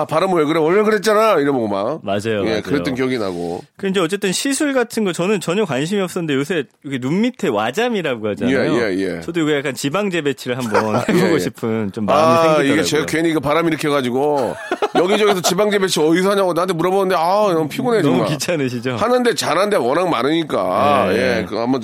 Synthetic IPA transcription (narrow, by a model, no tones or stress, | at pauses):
apaɾɯmɯweɡɯɾewʌɭːekɯɾet̚t͡ɕ͈anajiɾɯmoɡoma̰mad͡ʑajojekɯɾet͈ɯnkjʌɡina̰ɡo̰kɯiɲd͡ʑeʌt͡ɕ͈e̞t͈ɯnɕʰisʰuɭɡatʰɯnɡʌt͡ɕʌnɯnt͡ɕʌɲʌkwanɕ̬ʰimiʌp̚s͈ʌnɯndejos̬ʰe̞okʰenumːitʰe̞wad͡ʑamiɾaɡohad͡ʑanejoejḛt͡ɕʌdojoɡijak͈ant͡ɕibaŋd͡ʑe̞be̞t͡ɕʰiɾɯɭɦambʌneboɡoɕʰipʰɯnt͡ɕomːameŋɡiɡet͡ɕekeɲiɡepaɾamiɾɯkʰeɡad͡ʑiɡojʌɡid͡ʑʌɡesʰʌt͡ɕibaŋd͡ʑe̞be̞t͡ɕʰiʌisʰʌɦaɲaɡonaɦantʰemuɾabonɯndeanʌnpʰiɡuned͡ʑʌmuakit͡ɕʰanɯɕ̬ʰid͡ʑohanɯnde̞t͡ɕanɦandewʌnaŋmaɾɯɲik͈a̰je̞kamo